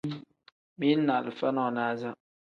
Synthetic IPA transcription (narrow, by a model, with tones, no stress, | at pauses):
mi˦na˨lfa˦nɔ˦˨na˦˨za˦ʔ